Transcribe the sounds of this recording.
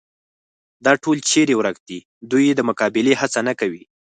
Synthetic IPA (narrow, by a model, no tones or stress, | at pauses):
d̪ɑʈolt͡ʃeɾewɾakd̪i | d̪ujed̪əmʊkɑbɪlehat͡sanakawi